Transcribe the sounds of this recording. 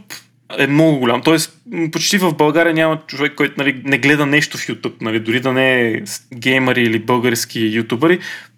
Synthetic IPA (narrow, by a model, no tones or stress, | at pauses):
p | ɛmnɔɡʊɡʊlʲamt̪ɔɛspot͡ʃt̪ivəvbɐlˠɡaɾijɐnʲamɐt͡ʃovɛkːɔjt̪ʊnɐlinɛɡlɛd̪ənɛʃt̪ʊfjut̪upnɐlid̪ʊɾid̪ɐnɛ | ɡʲɛjməɾiːlibɤlˠɡəɾsk̟ijut̪ubəɾi